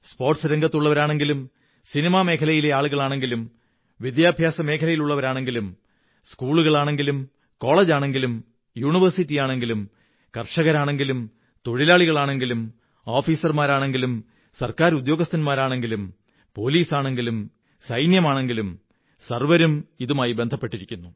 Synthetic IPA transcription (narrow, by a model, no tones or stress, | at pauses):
spo̞ːrʈsɨɾeŋɡɐt̪ːuɭːɐʋɐɾaːɳe̞ŋɡilum | sinimaːme̞ːkʰɐlɐjile̞aːɭuɣɐɭaːɳe̞ŋɡilum | ʋid̪jaːbʱjaːsɐme̞ːkʰɐlɐjiluɭːɐʋɐɾaːɳe̞ŋɡilum | skuːɭuɣɐɭaːɳe̞ŋɡilum | ko̞ːɭeːd͡ʑaːɳe̞ŋɡilum | juːɳiʋɐrsitːijaːɳe̞ŋɡilum | kɐrʂɐɣɐɾaːɳe̞ŋɡilum | t̪o̞ɻilaːɭiɣɐɭaːɳe̞ŋɡilum | oːfiːsɐrmaːɾaːɳe̞ŋɡilum | sɐrkaːɾud̪joːɡɐst̪ɐnmaːɾaːɳe̞ŋɡilum | po̞liːsaːɳe̞ŋɡilum | sɐjnjɐmaːɳe̞ŋɡilum | sɐrʋɐɾumiðumaːjibe̞nd̪ʱɐpːe̞ʈːiɾikʲːunːu